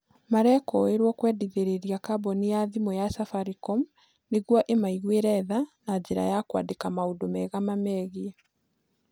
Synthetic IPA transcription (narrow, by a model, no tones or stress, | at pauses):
maɾɛkɔeɾwɔkwɛdiðeɾeɾiakabɔnijaðimɔjasafaɾikɔm | neɣwɔʔemaiɣweɾɛðanad͡ʑeɾa̰jakwa̰ːdekamaudomɛɣamamɛɣi